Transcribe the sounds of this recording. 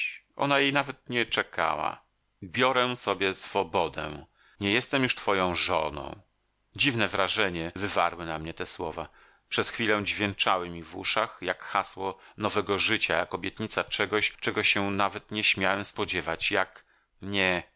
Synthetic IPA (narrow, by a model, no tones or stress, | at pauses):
ʔɔ̰najejnavɛt̪̚ɲɛt͡ʂɛka̰wa̰ | bʲjɔɾɛ̃sɔbʲjɛsfɔbɔd̪ɛ̰ | ɲɛjɛst̪ɛmjuʂt̪fɔjɔ̃w̃ʐɔnɔ̰̃w̃ | d͡ʑivnɛvɾaʐɛɲɛvɘva̰ɾwɘnamɲɛt̪ɛswɔva | pʂɛsxfʲilɛw̃d͡ʑvʲjɛnt͡ʂawɘmʲivṵʂaxjakxaswɔnɔvɛɡɔʐɘt͡ɕajakɔbʲjɛt̪ɲit̪sat͡ʂɛɡɔɕt͡ʂɛɡɔɕɛnavɛt̪ɲɛɕmʲjawɛmspɔd͡ʑɛvat͡ɕjak | mɲɛ